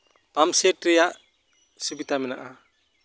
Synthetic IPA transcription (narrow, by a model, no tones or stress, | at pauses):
pamseʈɾijaʔ | subit̪amɛnaʔa